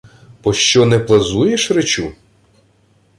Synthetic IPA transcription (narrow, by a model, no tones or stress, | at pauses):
pɔʃt͡ʃɔnɛplˠɐzujeʃɾet͡ʃu